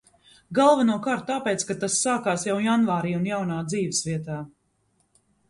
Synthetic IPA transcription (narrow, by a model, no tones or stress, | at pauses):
ɡalˠvanuɔkaːɾt̪̚t̪aːpeːt̪skat̪asːaːkaːsjawjanvaːɾiːunjawnaːd̪ziːvəsviɛt̪aː